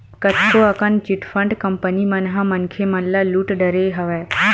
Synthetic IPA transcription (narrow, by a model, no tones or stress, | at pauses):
kət̪ʰkoɐkənt͡ʃɪʈfʰəɳɖkɐmpənimɐnɦãmɐnkʰemɐnlaluːʈɖəɾeɦɐʋɛː